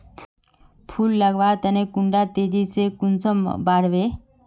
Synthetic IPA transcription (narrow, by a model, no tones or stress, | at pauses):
pʰulːəɡʋaɾt̪ənekʊɳɖat̪eːd͡ʒisekʊnsəmbaɽʋe